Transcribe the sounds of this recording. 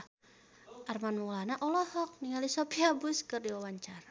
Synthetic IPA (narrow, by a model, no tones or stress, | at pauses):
armanwɔlanaʔɔlɔhɔk̚niŋalisopiabuskɨrdiwawaɲt͡ʃaɾa